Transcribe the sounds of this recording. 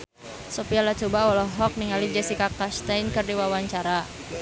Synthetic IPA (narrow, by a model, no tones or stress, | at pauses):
sopialat͡ʃobawɔlɔɦɔk̚niŋalid͡ʒɛsikakast̪ajnkɨrdiwawaɲt͡ʃaɾa